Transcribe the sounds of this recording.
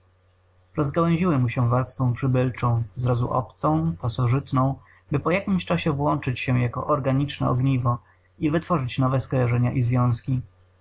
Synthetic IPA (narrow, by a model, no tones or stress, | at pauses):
ɾɔzɡawɛ̃w̃ʑiwɘmuɕɛvaɾst̪fɔ̃pʂɘbɘlt͡ʂɔ̃w̃zɾazṵʔɔ̰pt̪sɔ̃w̃pasɔʐɘt̪nɔ̃w̃ | bɘpɔjakʲimɕt͡ʂaɕɛvwɔnt͡ʂɘt͡ɕɕɛjakɔ̰ʔɔɾɡaɲit͡ʂnɛ̰ɔ̰ɡɲivɔ | ivɘt̪fɔʐɘt͡ɕnɔvɛskɔjaʐɛɲaʔizvʲjɔ̃w̃skʲi